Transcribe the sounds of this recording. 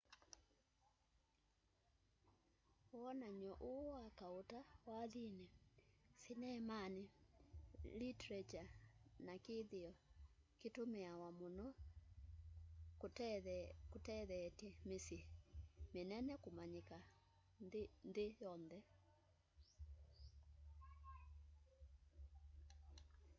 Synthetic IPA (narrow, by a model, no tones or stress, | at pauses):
oɔnaɲɔʔowakaotawaðinɛsinɛmane | litɾɛd͡ʒanakeðeɔketomeawamonɔ | kotɛðɛtɛmesemenɛnɛkomaɲeka | nðejɔnðɛ